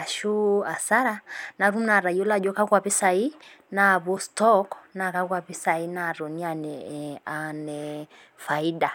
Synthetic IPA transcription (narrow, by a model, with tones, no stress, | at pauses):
a˨ʃu˦a˨sa˦ɾana˨ɾu˦m̩na˨ɾa˨iɔ˦la˨d͡ʒɔ˦ka˦kwa˨pi˦sa˨i˦ | naβɔ˦stɔkna˨ka˦kwa˨pi˦sa˨i˦na˨ɾɔ˨ni˦a˨nɛanɛ | fai˦da˨